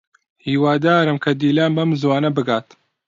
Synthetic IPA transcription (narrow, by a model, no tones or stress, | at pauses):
hiːwaːd̪aːɾɨmkʰɐd̪iːlaːnbɐmzwaːnɐbɨɡaːt̪